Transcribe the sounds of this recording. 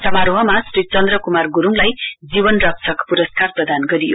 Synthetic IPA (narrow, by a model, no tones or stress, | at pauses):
sʌmaɾoɦʌmasrit͡sʌnd̪rʌkumarɡuɾuŋlajd͡zibʌnrʌksʰʌkpuɾʌskarprʌd̪anɡʌɾijo